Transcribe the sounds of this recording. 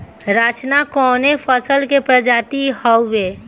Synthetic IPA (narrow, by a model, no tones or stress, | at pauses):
ɾaːt͡ʃnakɔːnefʰəsəlkepɾəd͡ʒaːt̪ihəwːe